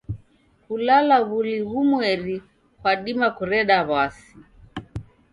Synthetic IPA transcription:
kulalaβuliɣumwɛɾi | kwaɗimakuɾɛɗaβasi

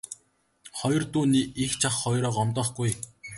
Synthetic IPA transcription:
χɔjɞ̆rt̪uːniːixt͡ɕʰaχːɔjɾɔːqɔmt̪ɔːχɡuj

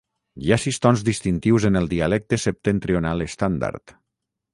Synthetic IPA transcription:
jasist̪ɔnzðist̪int̪iwzenəlˠd̪ialɛk̚t̪esep̚t̪ent̪ɾionalest̪and̪a̰ɾt̪

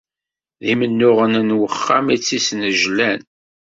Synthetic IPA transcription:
ðimənːʊʁənənwəχːamit͡sːisnəʒlæn

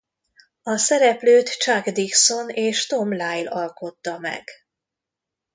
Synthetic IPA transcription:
ɒsɛɾɛpløːt̪t͡ʃaɡd̪ikso̞neːʃt̪o̞mlaːjlɒlko̞t̪ːɒmɛ̰ɡ̥

